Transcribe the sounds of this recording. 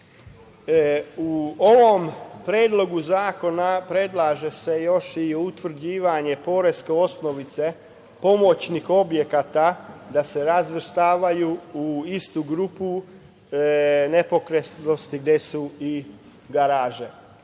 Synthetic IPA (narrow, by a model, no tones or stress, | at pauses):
uoʋo̞mpɾjeːd̪lo̞ɡuzaːko̞napɾe̞d̪lˠaʒe̞se̞jo̞ʃiut̪ʋr̩d͡ʑiːʋaɲe̞po̞ɾe̞skeo̞sno̞ʋit̪se̞ | po̞mo̞t͡ʃnixo̞bje̞kat̪ad̪ase̞ɾazʋr̩st̪aːʋajuuist̪uɡɾupu | ne̞po̞kɾesno̞st̪iɡd̪e̞sui | ɡaɾaːʒe